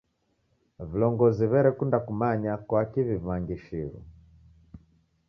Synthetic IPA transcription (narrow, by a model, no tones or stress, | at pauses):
vilɔŋɡɔziβɛɾɛkundakumaɲakwakiβivaŋɡiʃiɾṵ